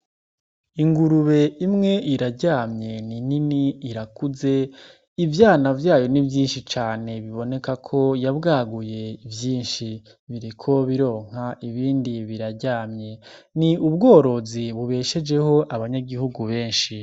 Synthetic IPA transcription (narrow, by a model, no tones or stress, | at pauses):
iŋɡuɾuβe̞imŋe̞iɾaɟaːmɲe̞nininiːɾakuze̞ | ivjaːnavjaːjo̞nivjiːnʃit͡ʃaːne̞βiβo̞ne̞kakʰo̞jabɡaːɡuje̞ivjiːnʃi | βiɾikʰo̞βiɾo̞ːŋ̥haʔiβiːndiβiɾaɾɟaːmɲe̞niuβɡo̞ːɾo̞ziβuβe̞ːʃe̞d͡ʒe̞ho̞ʔaβaɲaɡihuɡuβe̞ːnʃi